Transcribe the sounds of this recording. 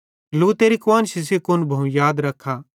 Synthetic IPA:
luːt̪eɾikwaːnʃɪs̬ekʊnbʱɐũjaːd̪ɾɐkʰːaː

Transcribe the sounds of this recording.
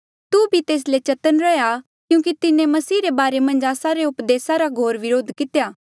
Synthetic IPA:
t̪ubʱit̪eːs̬let͡ʃɐt̪ənɾɐja | kjũːk̬it̪ɪnẽmɐsiːɾebaːɾemɐ̃nd͡ʒaːsaɾeʊpd̪eːsaɾaɡʱoːɾʋɪɾoːd̪ʱkɪt̪ejaː

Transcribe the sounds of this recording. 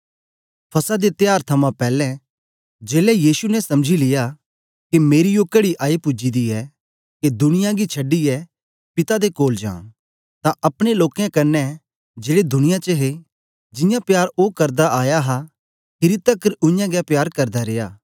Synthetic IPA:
pʰɐsad̪et̪jaːɾt̪ʰɐmãpɛːlɛ̃ | d͡ʒeːlɛjiːsunɛsɐ̃md͡ʒʱilɪja | kimeːɾijoːkɐɽiʔaːipʊd͡ʒid̪iɛ | ked̪ʊɽɪjãɡit͡ʃʰɐɖiɛ | pɪt̪ad̪ekoːld͡ʒa̰ː | t̪ãʔɐpɽ̃eloːkɛ̃kɐnːɛ | d͡ʒeːɽed̪ʱʊɽ̃ɪjãt͡ʃəɦe | d͡ʒɪjãpjaːɾoːkɐɾd̪aʔaːjaɦa | kɪɾit̪ɐkəɾʊ̃jãɡɛpjaːɾkɐɾd̪aɾejaː

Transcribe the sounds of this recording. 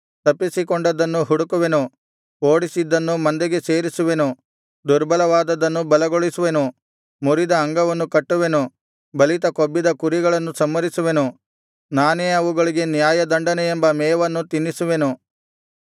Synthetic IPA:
t̪ɐpːisikɔɳɖɐd̪ɐnːuɦuɽukuʋe̞nu | oːɽisid̪ːɐnːumɐnd̪eɡe̞seːɾisuʋe̞nu | d̪uɾbɐlɐʋaːd̪ɐd̪ɐnːubɐlɐɡoɭisuʋe̞nu | muɾid̪ɐːŋɡɐʋɐnːukɐʈːuʋe̞nu | bɐlit̪ɐkobːid̪ɐkuɾiɡɐɭɐnːusɐmːɐɾisuʋe̞nu | naːneːɐʋuɡɐɭiɡe̞njaːjɐd̪ɐɳɖɐnɛembɐmɛːʋɐnːut̪inːisuʋe̞nu

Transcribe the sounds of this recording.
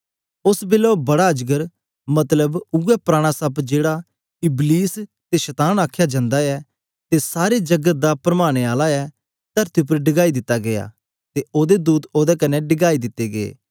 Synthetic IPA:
ʊsbɪlobɐɽad͡ʒɡəɾ | mɐt̪ləbʊɛpɾaːɽ̃asɐbd͡ʒeːɽa | ɪbliːst̪eʃɐt̪aːnaːkʰjad͡ʒãːnd̪aɛ | t̪esaːɾed͡ʒɐɡət̪̚d̪apɾɐmaːɽ̃eaːlaɛ | t̪əɾt̪iup̬əɾɖɪɡaːid̪ɪt̪ːaɡeja̰ː | t̪eoːd̪ed̪uːt̪oːd̪ɛkɐnːɛɖɪɡaːid̪ɪt̪ːeɡeḛː

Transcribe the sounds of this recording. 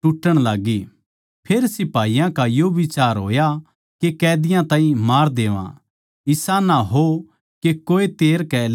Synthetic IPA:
ʈʊʈːəɽ̃laːɡi | pʰeːɾsɪpaːijãkajoʋɪt͡ʃaːɾɦo̰ːja | kekɛːd̪ɪjãt̪ãːĩmaːɾd̪eːʋã̰ | ɪsanaɦo | kekoːet̪eːɾkɛ

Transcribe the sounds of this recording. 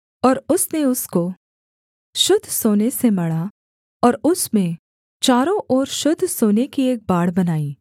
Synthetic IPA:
ɔːɾʊsneʊsko | ʃʊd̪ʱːsoːnesemɐɽa | ɔːɾʊsmẽ | t͡ʃaːɾõʔɔːɾʃʊd̪ʱːsoːnekieːk̚baːɽ̤bɐnaːiː

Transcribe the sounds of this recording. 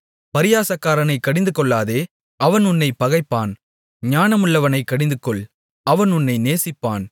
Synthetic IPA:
pɐɾɪjaːsɐkːaːɾɐnɐɪkɐɽɪnd̪ɯkɔɭːaːðeː | ɐʋɐnʊnːɐɪpːɐɣɐɪpːaːn | ɲaːnɐmɯɭːɐʋɐnɐɪkɐɽɪnd̪ɯkːɔɭ | ɐʋɐnʊnːɐɪneːsɪpːa̰ːn

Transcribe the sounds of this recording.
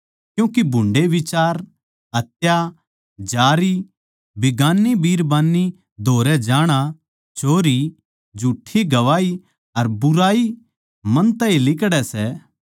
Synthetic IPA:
kjũːkibʱʊ̃ɳɖeʋɪt͡ʃaːɾ | ɦɐt̪ja | d͡ʒaːɾi | bɪɡaːnːibiːɾbaːnːi | d̪ʱoːɾɛd͡ʒaːɽ̃a | t͡ʃʰoːɾi | d͡ʒʱuːʈʰːiɡɐʋaːi | ɐɾbʊɾaːi | mɐ̃nt̪ɐ̃ĩlɪkɽɛsɛː

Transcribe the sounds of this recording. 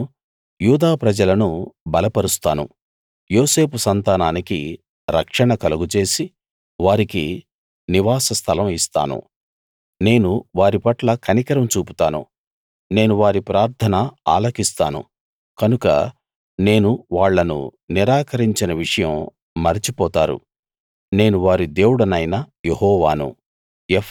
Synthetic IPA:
juːd̪aːpɾɐd͡ʒɐlɐnubɐlɐpɐɾust̪a̰ːnṵ | joːse̞ːpusɐnt̪aːnaːniki | ɾɐ̰kʂɐɳɐkɐluɡut͡ʃe̞ːsi | ʋaːɾikḭ | niʋaːsɐst̪ʰɐlɐmist̪a̰ːnṵ | ne̞ːnuʋaːɾipɐʈlɐkʰɐnikɐɾɐmt͡ʃuːpu̥t̪aːnṵ | ne̞ːnuʋaːɾipɾaːɾt̪ʰɐnɐa̰ːlɐkist̪aːnṵ | kɐnukɐ̰ | ne̞ːnuʋaːɭːɐnṵniɾaːkɐɾiɲt͡ʃinɐʋiʂɐjɐmː | ɐɾit͡ʃipɔːt̪aːɾṵ | ne̞ːnuʋaːɾid̪e̞ːwuɽɐnɐjnɐjehɔːʋaːnṵ | je

